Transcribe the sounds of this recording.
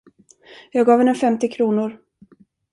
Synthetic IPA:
jɑːɡɑːvɛnːəfɛmt̪ɪkʰɾuːnʊɾ

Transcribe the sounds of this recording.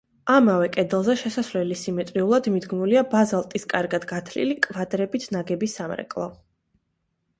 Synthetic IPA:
amavɛkʼɛd̪ɛlˠzɛʃɛsasvlɛlisimɛt̪ʼɾiulˠad̪mid̪ɡmuliabazalˠt̪ʼiskʼaɾɡad̪ɡat̪ʰlḭlikʼvad̪ɾɛbit̪ʰnaɡɛbisamɾɛ̰kʼlˠɔ̰

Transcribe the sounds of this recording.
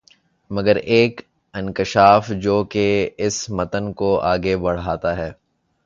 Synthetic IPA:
mɐɡəɾeːk | ɪ̃nkɪʃaːfd͡ʒoːkeɪsmɐt̪ənkoaːɡebɐɽ̤aːt̪aɦɛː

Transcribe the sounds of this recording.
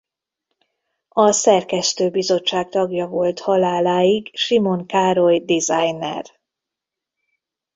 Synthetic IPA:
ɒsɛrkɛst̪øːbizo̞t͡ʃːaːk̚t̪ɒɡjɒvo̞lt̪hɒlaːlaːjiɡʃimo̞ŋkaːɾo̞jd̪izajnɛ̰r

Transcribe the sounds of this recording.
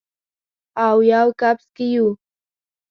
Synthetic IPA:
awjawkapɪ̥skɪjuː

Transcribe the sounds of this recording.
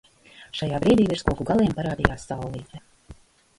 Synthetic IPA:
ʃajaːbɾiːd̪iːviɾskuɔkuɡalˠiɛmpaɾaːd̪ijaːsːawlˠiːt̪ɛ

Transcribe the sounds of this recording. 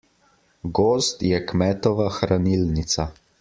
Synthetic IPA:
ɡoːst̪jɛkmɛːt̪ɔʋaxɾanilnit̪sa

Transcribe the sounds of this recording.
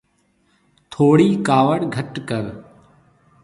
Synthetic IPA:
t̪ʰoːɽiːkaːʋəɽɡʱəʈkəɾ

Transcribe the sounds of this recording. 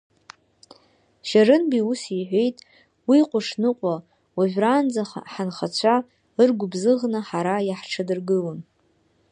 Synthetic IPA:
ʃarɨnbiusiħʷe̞jtʼ | wiqʷʼʊʂnɨqʷʼa | waʒʲʷᶣrand͡zaχaħanχat͡ɕʷʰa | ɨrɡʷʊbzɨʁnɨħaɾajaħʈ͡ʂʰɨdɨrɡɨlan

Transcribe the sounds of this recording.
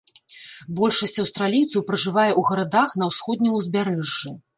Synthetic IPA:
bɔlʲʂɐsʲt͡sʲɐwst̪ɾalʲijwt̪sɐwpɾɐʐɨvajɛʔuɣɐɾad̪axn̪ɐwsxɔd̪̚ʲnʲiuzʲbʲaɾɛʐːi

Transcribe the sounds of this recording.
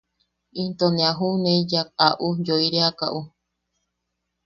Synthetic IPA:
ĩnt̪onẽaɦunẽjaaʔud͡ʒoiɾeaka̰ʔu

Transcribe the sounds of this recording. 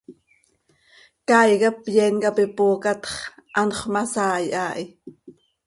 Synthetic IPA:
kɑjɣɑpjɛnkɑpipoːkɑt̪χʔɑnχʷmɑsɑːjʔaːʔi

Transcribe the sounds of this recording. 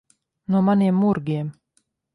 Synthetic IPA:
numaneːmːuɾɡʲeːm

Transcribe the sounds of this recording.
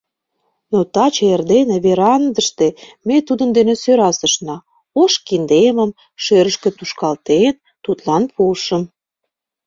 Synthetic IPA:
not̪ɑt͡ɕerd̪eneβeɾɑnd̪əʃt̪emet̪ud̪ənd̪enesøɾɑsəʃnɑ | oʃkind̪eməm | ʃøɾəʃkĕt̪uʃkɑlt̪en | t̪ut̪lɑnpʰuʃə̆m

